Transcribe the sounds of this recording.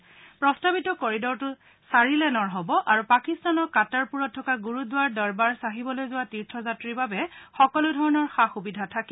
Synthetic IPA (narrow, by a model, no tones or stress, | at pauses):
pɹɔstabitɔkoɹidɔɹtʊ | saɹilɛnɔɹɦɔbɔʔaɹupakistanɔɹkataɹpuɹɔtʰːɔkaɡuɹudʊwaɹdɔɹbaɹsaɦibɔlojzʊwatiɹtʰɔzatɹiɹbabɛxɔkɔlʊdʱɔɹɔnɔɹxaxubidʱatʰaki